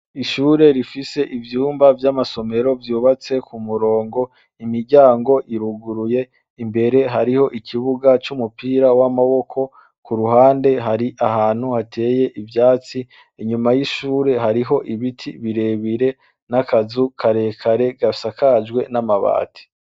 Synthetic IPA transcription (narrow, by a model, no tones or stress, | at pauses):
iʃuːɾe̞ɾifise̞ʔivjuːmbavjamaso̞me̞ɾo̞vjuːβat͡se̞kʰumuɾo̞ːŋɡo̞ | imiɾɟaːŋɡo̞ʔiɾuɡuɾuje̞ | imbe̞ɾe̞ɦaɾiho̞ʔikʰiβuɡat͡ʃumupiːɾawamaβo̞kʰo̞ | kuɾuɦaːnde̞ɦaɾiʔaɦaːn̥huhatʰe̞ːje̞ʔivjaːt͡si | iɲumajiʃuːɾe̞ɦaɾiɦo̞ʔiβitʰiβiɾe̞βiɾe̞ | nakazukʰaɾe̞kʰaɾe̞ɡasakʰad͡ʒɡwe̞namaβa̰ːtʰi̥